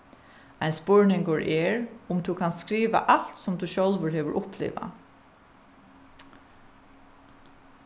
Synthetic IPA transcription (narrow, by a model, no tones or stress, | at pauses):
ajnspʊɹnɪŋkəɹʔɛɹʊmt̪ʰuːkʰansskɹiːʋa̰ʔal̥t̪sʊmt̪ʰuːʃœlʋəɹheːʋəɾʔʊplḛːʋa̰